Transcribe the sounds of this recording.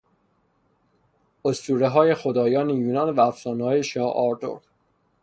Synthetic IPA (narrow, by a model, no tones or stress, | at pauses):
ost̪uːɾeɦɒːje̞xo̞d̪ɒːjɒːnejuːnɒnvæːfsɒːnhɒːjeʃɒːʔɒɾd̪o̞̰ɾ